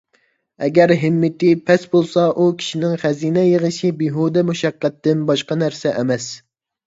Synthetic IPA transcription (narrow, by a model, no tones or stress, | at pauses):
ɛɡʲæɾɦɪmːɪt̪ɪpʰɛsbolˠsɑʔukʲʰi̥ʃinɪŋχæzinɛjəʁəʃibiɦud̪ɛmuʃɛqːɛt̪ːɪnbɑʃqɑnæɾsɛʔɛmɛs